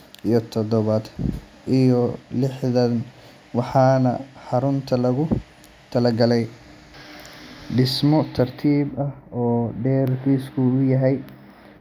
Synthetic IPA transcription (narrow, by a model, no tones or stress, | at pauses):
ijɞt̪ʰɔðɔβɐd̪ | ʔijɔlɪħðɐn | wɑħɑːnɐħɑɾʊnt̪ʰɐlɐɣʊ | t̪ʰɐlɐɡɐlɛj | ɖɪsmɔt̪ʰɐrt̪ʰiːbɐhɔːɖɛːrkʰiːskʰʊʊjɐɦɛj